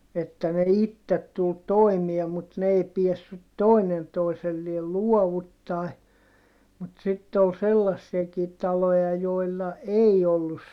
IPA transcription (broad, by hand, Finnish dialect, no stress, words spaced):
etːæ ne itːet tul toimie mut n ei piesːyt toˑinen toiselːiel luɔʋutːɑˑi mut sitːe ol selːɑsːiɛkiː tɑlojɑ joˑilːɑ ei olːus